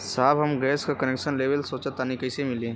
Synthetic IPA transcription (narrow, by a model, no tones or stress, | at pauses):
saːbɦɐmɡɛːskakɐnekʃənleːʋəlsoːt͡ʃət̪ːanikɐsemɪlẽː